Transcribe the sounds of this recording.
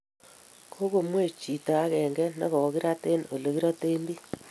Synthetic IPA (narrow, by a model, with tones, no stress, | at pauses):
kʰo˦ɣo˨mwe˦˨t͡ʃi˨ta˨a˦kɛ˨ŋɡɛ˦nḛ˦ɣɔ˨˦ɣi˦ɾa˦te˦no˨lo˨ɣi˦ɾa˦te˦nbi˦